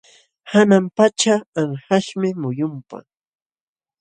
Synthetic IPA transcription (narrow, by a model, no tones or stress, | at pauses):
hanampat͡ʃaːŋhaʃmɪmʊjʊmpa̰